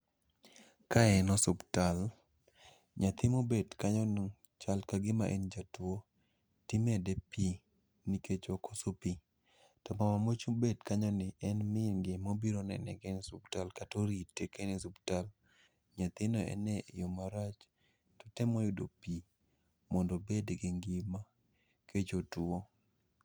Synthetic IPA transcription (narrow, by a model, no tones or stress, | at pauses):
kaɛnɔsʊbtal | ɲat̪ɪmobedkaɲɔn | t͡ʃalkaɡɪma̰ʔend͡ʒatwo | tɪmɛdɛpi | niket͡ʃokosopi | tɔmamamot͡ʃubedkaɲɔnɪɛnmɪŋɡɪmobiɾonɛ̰nɛɡɛnɪsubtalkatoɾitːekenɪsubtal | ɲat̪ɪnɔɛ̰nɛjomaɾat͡ʃ | tɔ̥tɛmojʊdo̰pi | mɔndobedɡɪŋɡɪma | ket͡ʃotuo